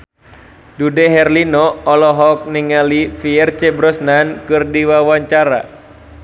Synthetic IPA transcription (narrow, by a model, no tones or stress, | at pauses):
dudɛɦɛrlinɔɔlɔɦɔk̚niŋalifiɛrt͡ʃɛbɾɔsnankɨrdiwawaɲt͡ʃaɾa̰